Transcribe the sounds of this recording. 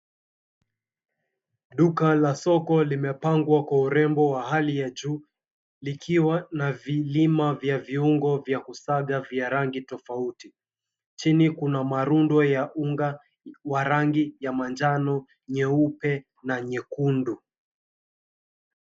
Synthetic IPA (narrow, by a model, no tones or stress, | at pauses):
ɗukalasɔkɔlimɛpaŋɡwakwauɾɛmbɔwaɦalijad͡ʒuː | likʰiwanavilimavjaviuŋɡɔvjakusaɠavjaɾaŋɡitɔfauti | t͡ʃinikunamaɾundwɔjaʔuŋɡa | waɾaŋɡijamand͡ʒanɔ | ɲɛupɛ | naɲɛkundu